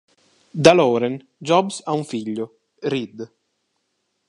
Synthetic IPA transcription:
d̪alɔːɾen | d͡ʒɔbsauɱfiʎːʊ | rid̪

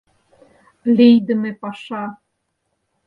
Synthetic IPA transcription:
lʲejd̪ə̆mepɑʃɑ

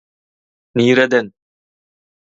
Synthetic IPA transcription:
niːɾɛd̪ɛn

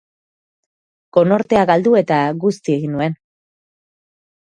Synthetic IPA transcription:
ɡ̥o̞no̞ɾt̪e̞aɣald̪ue̞t̪aɡust̪ie̞ɣinːue̞n

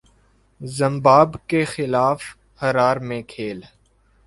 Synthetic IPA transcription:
zə̃mbaːbkexɪlaːf | həɾaːɾmẽkʰeːl

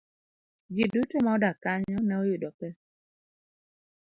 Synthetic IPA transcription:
d͡ʒidutomaɔdakaɲɔnɛojʊdɔpɛ

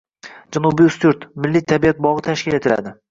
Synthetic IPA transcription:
d͡ʒanubiʊst̪ʊɾt̪mɪlːit̪ʰabijat̪̚bɒʁɨt̪ʰaʃkʲɪle̞t̪ʰɪla̰d̪ɪ

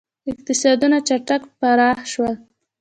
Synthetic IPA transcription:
ɪq̚t̪ɪsɑd̪unat͡ʃaʈakpaɾɑxʃwəl

